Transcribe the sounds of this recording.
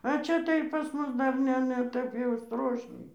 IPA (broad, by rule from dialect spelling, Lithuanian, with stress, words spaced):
ɐ ˈt͡ʃʲɛ tɐɪ pɐs ˈmʊs ˈdɐr ˈnʲɛ nʲɛ ˈtʲɛp jɛʊ ˈstroːʃʲnʲɛɪ